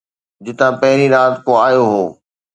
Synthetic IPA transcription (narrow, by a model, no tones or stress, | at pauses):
d͡ʑɪt̪ãpɐɦɪɾiɾaːt̪koaːjoɦoː